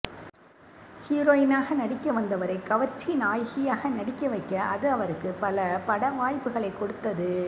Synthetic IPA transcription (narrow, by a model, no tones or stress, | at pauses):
hiːɾoːjɪnaːɣɐnɐɽɪkːɐʋɐnd̪ɐʋɐɾɐɪkːɐʋɐɾt͡ʃːinaːjɣɪjaːɣɐnɐɽɪkːɐʋɐɪkːɐʔɐðɯɐʋɐɾɯkːɯpɐlɐpɐɽɐʋaːjpːɯɣɐɭɐɪkːɔɽɯt̪ːɐðɯ